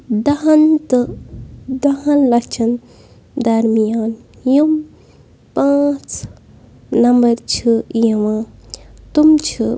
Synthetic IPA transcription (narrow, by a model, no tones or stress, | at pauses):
d̪ɐɦɐnt̪ɨ | d̪ɐɦɐ̃nlɐt͡ʃʰɐn | d̪ɐɾmijaːn | jum | pãt͡s | nɐmbɐɾt͡ʃʰɨjeʋãːt̪umt͡ʃʰu